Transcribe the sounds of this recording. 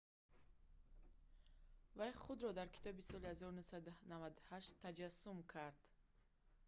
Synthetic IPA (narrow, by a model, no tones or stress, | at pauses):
vajχud̪ɾɔd̪aɾkʰi̥t̪ʰɔbisɔlihazɔɾunusad̪unavad̪uhaʃt̪ʰːad͡ʒasumkʰaɾd̪̥